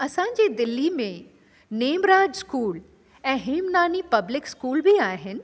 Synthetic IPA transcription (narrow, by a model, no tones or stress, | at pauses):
ɐsãːɲ̆d͡ʑeːd̪ɪlːimẽ | neːmɾaːd͡ʑskuːl | ɛ̃ːɦeːmnaːnipɐblɪkskuːlbiaːɦɪnɪ̆